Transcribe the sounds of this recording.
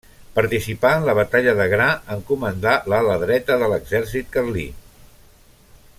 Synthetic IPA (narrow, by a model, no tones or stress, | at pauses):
pəɾt̪isipaənləβət̪aʎəðəɣɾaəŋkumənd̪alələðɾɛt̪əðələɡzɛɾs̬it̪̚kərlḭ